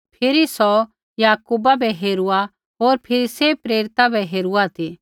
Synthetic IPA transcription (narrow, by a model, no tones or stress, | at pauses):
pʰɪɾisɔ | jaːkuːbabʱɛɦeːɾua | ɦoːɾpʰɪɾisepɾeːɾɪt̪abʱɛɦeːɾuat̪ʰi